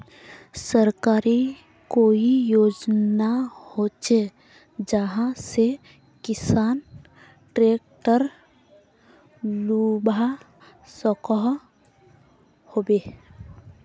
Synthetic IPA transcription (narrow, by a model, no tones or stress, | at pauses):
səɾkaːɾi | koːijoːd͡ʒnahot͡ʃe | d͡ʒəɦãse | kɪsaːn | ʈɾeːk̚ʈəɾ | lubʱa | sɔkəɦ | hoːbeː